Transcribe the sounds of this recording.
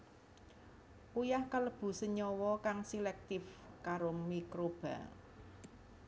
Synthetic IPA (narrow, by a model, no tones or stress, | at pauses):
ujahkələb̥ṳsəɲɔwɔkaŋsilɛk̚t̪ɪfkaɾomikɾob̥a̤̰